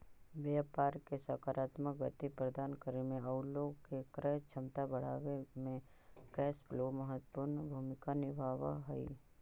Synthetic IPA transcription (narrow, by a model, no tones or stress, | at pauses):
ʋapaːɾkesaːkaːɾaːt̪məkɡət̪ipɾəd̪aːnkəɾemẽəʊloːɡkekɾɛt͡ʃʰəmt̪abɐɽ̤a̰ːʋemẽ | kɛːsbloːməɦət̪pʊɾnbʱuːmɪkanɪbʱaːʋa̰ɦəḭ